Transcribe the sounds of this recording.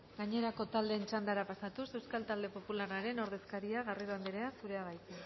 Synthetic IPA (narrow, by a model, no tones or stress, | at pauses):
ɡaɲe̞ɾako̞t̪ald̪e̞ːnt͡ʃand̪aɾapasat̪use̞wskalt̪ald̪e̞po̞pularaɾe̞no̞ɾðe̞skaɾiaɣ̞ariɾoand̪iɾe̞asuɾe̞aβajt͡s̪i